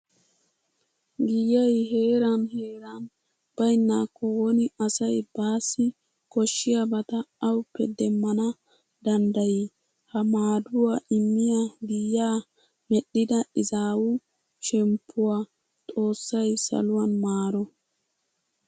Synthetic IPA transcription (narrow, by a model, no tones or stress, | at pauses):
ɡɪjɐjɦe̞ːɾɐnheːɾan | b̥ɐjnːaːkːɔwɔnɪɐsɐjb̥aːsːɪ | kɔʃːɪjɐbɐt̪ɐɐwʊpːɛd̪ɛmːɐnɐ | d̪ɐnd̪ɐji | hɐmaːd̪ʊwaːʔɪmːɪjaɡɪjːaː | mɛɗːɪd̪ɐɪzaːwʊ | ʃɛmpʰːʊwaː | t̪ʼo̞ːsːɐjsɐ̰lʊwɐnmaːɾɔ